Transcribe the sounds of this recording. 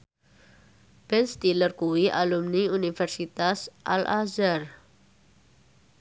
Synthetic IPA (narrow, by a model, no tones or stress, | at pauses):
b̥ɛnst̪ilərkuwiʔalumniunifɛrsit̪asʔa̰lʔazar